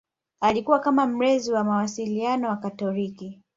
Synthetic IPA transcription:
alikuwakamam̩ɾɛziwamawasilianɔwakatɔliki

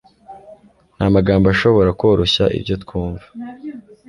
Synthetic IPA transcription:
n̥hamaɡaːmbaʃo̞βo̞ɾakoːɾoɕaʔḭbjo̞tkʰuːɱvḁ

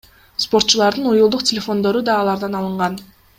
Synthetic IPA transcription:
spo̞ɾt̪̚t͡ʃulˠɑɾd̪ɯnujulˠd̪uqtʲɪlʲefo̞nd̪o̞ɾud̪ɑːlˠɑɾd̪ɑnɑlˠɯɴʁɑn

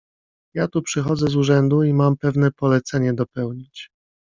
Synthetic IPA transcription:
jat̪upʂɘxɔd̪zɛzuʐɛnd̪uimampɛvnɛpɔlɛt̪sɛɲɛd̪ɔpɛwɲit͡ɕ

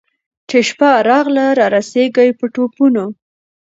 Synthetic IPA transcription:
t͡ʃeʃpaɾɑɣlaɾɑɾaseɡajpəʈopuno

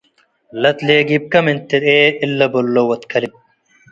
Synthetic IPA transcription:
lɐt̪leːɡib̚kɐmint̪ːiɾeːilːɐbolːowɐt̪kʰɐlip̚

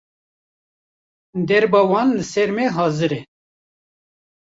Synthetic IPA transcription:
d̪ɛɾbɑwɑːnlɨsɛɾmɛɦɑːzɨɾɛ

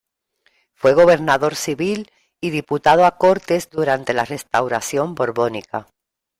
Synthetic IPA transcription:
fwe̞ɣ̞o̞β̞e̞ɾnaðo̞ɾsiβil | iðiput̪að̞oako̞ɾt̪e̞zd̪uɾant̪e̞lare̞st̪awɾaθjo̞mbo̞ɾβo̞nika

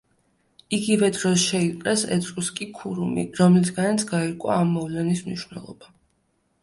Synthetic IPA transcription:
iɡivɛd̪ɾɔsʃɛiqʼɛsɛ̰t̪ʼɾʼuskʼikʰuɾumḭɾɔmlisɡanat̪sʰɡaiɾkʼwa̰ːmːɔvlɛnismniʃwvnɛ̰lˠɔ̰ba

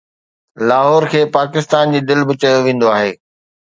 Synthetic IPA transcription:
laːɦɔːɾkʰeːpaːkɪst̪aːnd͡ʑiːd̪ɪlbɪt͡ɕɐjoʋẽːn̆d̪oaːɦeː

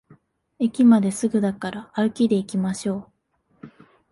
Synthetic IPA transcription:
ekʲimad̪e̞sɨɡɯ̟d̪akaɾaːɾɯ̟kʲid̪e̞ikʲimaɕo̞ː

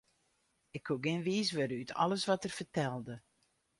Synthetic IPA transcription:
ɪkʰhuɡɪnʋiːsʋøɾəytʰɔ̰ləsʋɔtərfərtɛlˠdə

